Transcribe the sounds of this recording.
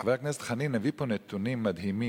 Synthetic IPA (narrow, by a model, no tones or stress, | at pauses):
avaaknɛstχaninaviponɛt̪unimːad̪ɦimi